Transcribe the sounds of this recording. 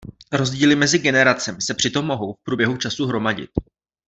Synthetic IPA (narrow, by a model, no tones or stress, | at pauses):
ɾo̞zɟiːlɪmɛzɪɡɛnɛɾat͡sɛmɪsɛpr̝̥ɪt̪o̞mːo̞ɦo̞wfpɾuːbjɛɦut͡ʃasuɦɾo̞maɟɪ̰t̪